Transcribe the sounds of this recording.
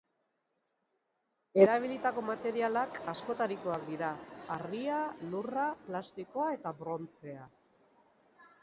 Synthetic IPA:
e̞ɾaβ̞ilit̪ako̞mat̪e̞ɾialakasko̞t̪aɾiko̞ak̚d̪iɾaːrialuraplast̪iko̞ae̞t̪abɾo̞nt͡se̞a

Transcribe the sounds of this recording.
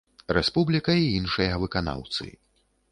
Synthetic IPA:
ɾɛspublʲikɐiinʂɨjɐvɨkana̰wt̪sɨ̰

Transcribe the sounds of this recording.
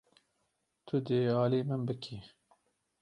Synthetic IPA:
t̪ʰʊd̪eɑːliːmɨnbɨkʰi

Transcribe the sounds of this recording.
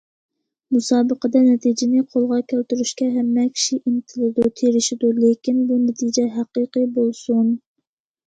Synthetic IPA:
musɑːbəqəd̪ɑnɛt̪ʰid͡ʒɪnɪqʰolˠʁɑkʲʰælt̪yɾyʃkʲɛɦɛmːɛkʲʰi̥ʃiʔint̪ʰɪlɪd̪ut̪ʰeɾɪʃid̪ulekʲinbunɛt̪ʰid͡ʒɛɦæqəqɨbolˠsun

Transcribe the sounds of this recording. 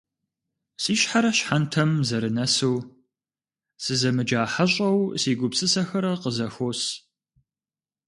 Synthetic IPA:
siːɕħaɾɐɕħantʰɐmzɐɾɨnɐsɨw | sɨzɐmɨd͡ʒaːħaɕʼɐwsiːɡʷʊpsɨsɐxɐɾɐqəzɐxoːs

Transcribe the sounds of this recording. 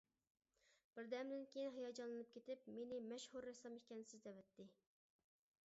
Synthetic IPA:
b̥ɪɾd̪ɛmd̪ɪnkʲejinɦɑjɑd͡ʒɑnlɨnɨp̚kʲʰet̪ɪpmenɪmɛʃhuɾːɛsɑmekʲɛnɪsɪzd̪ɛvɛt̪ʰːɪ

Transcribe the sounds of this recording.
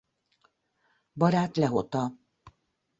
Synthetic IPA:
bɒɾaːt̪lɛɦot̪ɒ

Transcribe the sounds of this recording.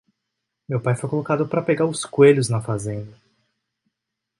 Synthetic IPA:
mewpajfojkolokad̪ʊpɾɐpeɡaɾʊskweʎʊznɐfazẽnd̪ɐ

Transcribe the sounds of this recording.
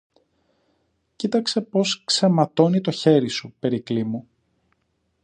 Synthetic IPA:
cit̪ɐkse̞po̞skse̞mɐt̪o̞nit̪o̞çe̞ɾisupe̞ɾiklimu

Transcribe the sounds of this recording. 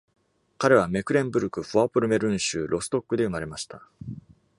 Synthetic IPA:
kaɾe̞β̞ame̞kɯ̟ɾẽ̞mbɯ̟ɾɯ̟kɯ̟ɸɯ̟apɯ̟ɾɯ̟me̞ɾɯ̟̃ɰ̃ɕɨːɾʔo̞sɨ̥t̪o̞kːɯ̟d̪e̞ɯ̟maɾe̞maɕi̥t̪a

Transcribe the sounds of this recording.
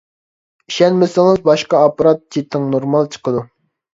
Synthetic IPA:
iʃɛnmɪsɪŋɨzbɑʃqɑɑpɾɑt̪̚t͡ʃʰit̪ʰːɪŋnoɾmɑlˠt͡ʃʰə̥qəd̪u

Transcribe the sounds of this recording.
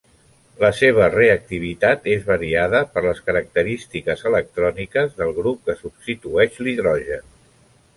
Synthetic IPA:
ləseβ̞əreək̚t̪iβ̞it̪at̪ezβəɾiaðəpəɾləskəɾək̚t̪əɾist̪ikəzələk̚t̪ɾɔnikəzðəlˠɣɾup̚kəsubst̪it̪uɛʃliðɾɔʒən

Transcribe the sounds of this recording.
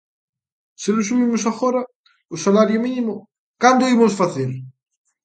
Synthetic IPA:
selosuβimʊsaxoɾɐ | ʊsalaɾjominimʊ | kand̪oimosfaθeɾ

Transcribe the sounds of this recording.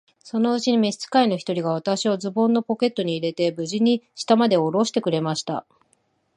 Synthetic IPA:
so̞no̞ɯ̟t͡ɕiɲ̟ime̞̥t͡sɨ̥kaino̞çi̥t̪o̞ɾʲiɡaβ̞at̪aɕiozɨbõ̞nːo̞po̞ke̞t̪ːo̞ɲ̟iːɾe̞t̪e̞bɯ̟ʑiɲ̟iɕi̥t̪amad̪e̞o̞ɾo̞ɕi̥t̪e̞kɯ̟ɾe̞maɕi̥t̪a̰

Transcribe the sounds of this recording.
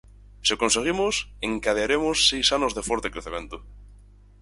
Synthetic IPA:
siokonseɣ̞imoseŋkað̞eaɾemosːejsanozðefoɾt̪ekɾeθemẽnt̪o̥

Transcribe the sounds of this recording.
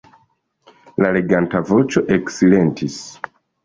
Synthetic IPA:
lale̞ɡantavo̞t͡ʃo̞ʔeksile̞ntʰis

